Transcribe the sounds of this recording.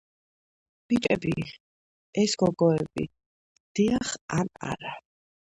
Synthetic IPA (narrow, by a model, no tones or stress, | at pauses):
b̥it̪ʼɛbi | ɛsɡɔɡɔɛbḭ | d̪̥iaχana̰ɾa